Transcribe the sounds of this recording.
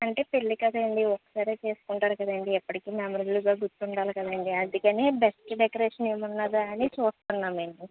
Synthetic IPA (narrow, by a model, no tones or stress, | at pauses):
ɐɳʈe̞ːpelːikɐd̪ɐɳɖiɔkːɐ̥saːɾeːt͡ʃe̞ːsu̥kuɳʈaːɾukɐd̪aɳɖiɛpːɐʈikiːmemɐɾɐd͡ʒluɡaːɡuɾt̪ːuɳɖaːlikɐd̪aɳɖiɐnd̪ukɐneːbesʈɖekɐɾeːʂɐneːmunːaːd̪uɐnit͡ʃuːst̪unːaːmeːmi